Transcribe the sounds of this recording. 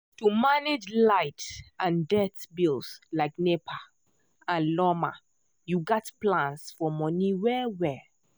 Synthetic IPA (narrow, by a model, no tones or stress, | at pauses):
tumaned͡ʒlaɪtãndɛtbilslaɪknepʰa | ãnlɔma̰ | juɡɔtplãnsfɔmɔniwɛwɛ